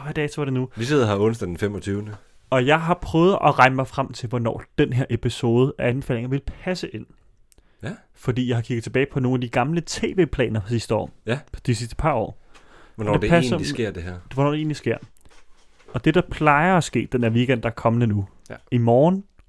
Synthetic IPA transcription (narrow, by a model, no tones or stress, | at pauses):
ʋæd̥ɛsʰɐʋɐɾ̥e̝nuʋiseð̰ˠɦɑ̈ɔ̽nsd̥æd̥n̩femɒt͡sʰyːʊnə | ɒ̽jɑ̈ɪɦɑ̈pʰʁœːʊð̞̩ˠɒ̽ʁɑ̈ɪnəmɑ̈ɪfʁam̰t͡sʰe̝lʋɒnɒ̰ːd̥enɦeɐʔe̝pʰiso̝ːð̞ˠəʔæænbe̥fɛ̰ːle̝ŋɐʋe̝lpʰæsəʔe̝n̰ | fɒ̽d̥ḭːjɑ̈ɪhɑkʰiɡ̥ð̩ˠt͡sʰeb̥ɛ̰ːɪpʰɒ̽no̝ːnæd̥iɡ̥ɑ̈mlət͡sʰe̝̰ːʋe̝̰ːpʰlɛ̰ːnɐfɒsisd̥əɒ̰ːd̥isisd̥ə̥pʰɑ̈ɒ̰ːʋnɒ̰ed̥eænlise̝ɐ̰d̥eɦɛɐ̰ʋɒnɒ̰ːd̥ee̝̰ːnlisɡ̥e̝ɐ̰ | ɒ̽d̥e̝ɾ̥ɑ̈pʰlɑ̈ɪɐæsɡ̥e̝̰ːd̥enæɐʋiːɡ̥en̰d̥ɑ̈æɐkʰɒ̽mənənu | imɒːn